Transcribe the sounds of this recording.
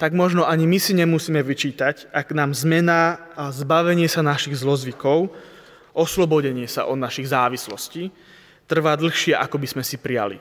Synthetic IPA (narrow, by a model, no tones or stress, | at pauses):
t̪aɡmɔʒnɔʔaɲimisiɲɛmusiːmɛʋit͡ʃiːt̪acaɡnaːmzmɛnazbaʋɛɲɪɛsanaʃiɣzlɔzʋikɔʊ | ʔɔslɔbɔɟɛɲɪɛsa̰ʔɔd̪naʃiɣzaːʋislɔsci | t̪r̩ʋaːd̪l̩xʃɪɛʔakɔbizmɛsipɾija̰lḭ